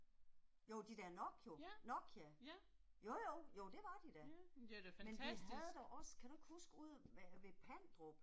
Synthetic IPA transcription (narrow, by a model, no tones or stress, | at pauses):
joʊd̥id̥æɐnɒ̽ɡ̥jo̝nɒ̽ɡ̥jæ | jojoʊjoʊd̥e̝ʋɑ̈d̥id̥æ | menishiæð̩ˠd̥æʔɒ̽skʰæd̥ueɡ̥husɡ̥uð̞̰ˠʋæʋe̝pʰæn̰d̥ʁɔb̥